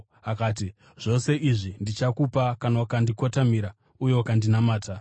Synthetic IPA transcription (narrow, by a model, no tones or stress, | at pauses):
akaːt̬i | ʐ̥o̞se̞ʔiʐindit͡ʃakupakanawukandiko̞tamiɾa | uje̞wkandinamaːta